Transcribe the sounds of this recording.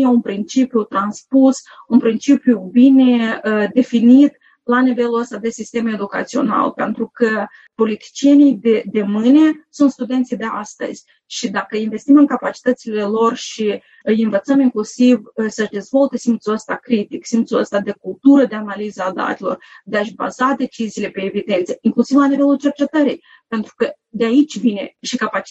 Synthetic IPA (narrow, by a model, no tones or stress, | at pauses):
jeunpɾint͡ʃipjut̪ɾanspus | unpɾint͡ʃipjubine̞d̪e̞finit̪ | lanive̞luəst̪ad̪e̞sist̪e̞me̞d̪uka̰t̪sio̞̰na̰lpe̞nt̪ɾukə | po̞lit̪i̥t͡ʃijenijd̪ed̪e̞mɨnʲe̞sunt̪st̪ud̪e̞nt̪sijd̪e̞a̰st̪ə̰zʲ | ʃid̪akəinve̞st̪imɨŋkapat͡ʃi̥t̪ət̪sile̞lo̞rʃi | ɨjɨnvət̪səmiŋklusivsəʃd̪e̞zvo̞lt̪esimt̪suəst̪akɾit̪iksimt̪suə̰st̪ad̪e̞kulˠt̪uɾəd̪e̞analizəad̪a̰t̪elo̞̰rd̪eaʃba̰zad̪e̞t͡ʃiziːle̞pe̞ːvid̪e̞nt̪səiŋklusivlanive̞lult͡ʃe̞rt͡ʃe̞t̪əɾej | pe̞nt̪ɾukə | d̪eait͡ʃʲvine̞̰ʃikapa